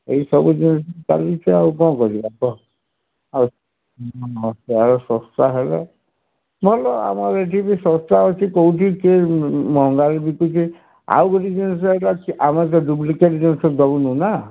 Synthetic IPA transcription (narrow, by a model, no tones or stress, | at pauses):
eisɔbud͡ʒinisɔka̰lit͡ʃʰiawkɔ̃ːkɔɾibakɔ | au | ɔseaɾɔsɔ̃st̪aɦele | mɦlɔa̰maɾeʈʰibisɔst̪aɔt͡ʃʰikɔuʈʰikemɔŋɡaɾebikut͡ʃʰi | a̰wɡɔʈid͡ʒinis̬ɔeʈakamat̬ɔɖup̬likeʈd͡ʒinisɔd̪ɔɡunũna